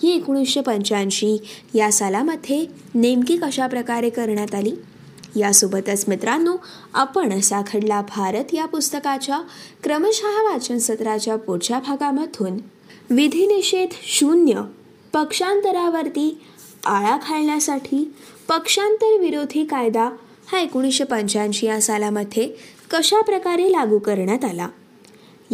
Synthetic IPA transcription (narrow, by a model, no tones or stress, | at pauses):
ɦiekɽ̃isəpəɲt͡ɕanɕiː | jasalaməd̪ʱje | nemkikəɕapɾəkaɾekəɾɳjat̪aliː | jasobʱət̪ət͡smit̪ɾanːuː | apəɳəsakʰəɽlabʱaɾət̪japust̪əkat͡ɕjakɾəməɕəɦʋat͡ɕənsət̪ɾat͡ɕjapuɾt͡ɕabʱaɡaməd̪ʱuːn | ʋid̪ʱiniɕet̪ɕunjə | pəkʂant̪əɾaʋəɾt̪iː | aɭakʰaɭɳjasaʈʰiː | pəkʂant̪əɾʋiɾod̪ʱiːkajd̪a | haekoɽ̃iɕəpəɲt͡ɕãnɕijãsalaməd̪ʱːje | kəɕapɾəkaɾelaɡukəɾɳjat̪ala̰